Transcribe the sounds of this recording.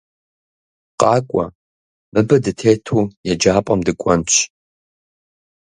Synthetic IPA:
qʼɑːkʷʼɔ̰ | mɨbɐdɨtʰeːtʰuːjɛd͡ʒaːpʼɐmdɨkʷʼɔnt͡ʃʰ

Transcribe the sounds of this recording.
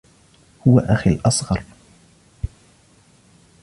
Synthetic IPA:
hʊwa̰ʔaxilʔɑsˤɣɑɾˤ

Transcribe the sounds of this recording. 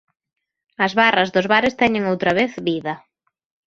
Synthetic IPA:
ɐzβarɐzðʊzβaɾɪst̪ɛɲɪŋowt̪ɾɐβeθβiðɐ

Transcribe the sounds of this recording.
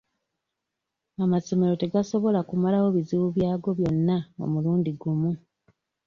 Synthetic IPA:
amaso̞me̞ɾo̞te̞ɡaso̞βo̞lakumalawo̞βiziβuβjaːɡo̞βjo̞nːao̰muluːndiɡumu

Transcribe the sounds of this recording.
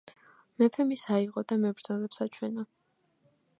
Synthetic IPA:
mɛpʰɛmisaiʁɔd̪amɛbɾd̪zalɛpsat͡ʃʰwɛna

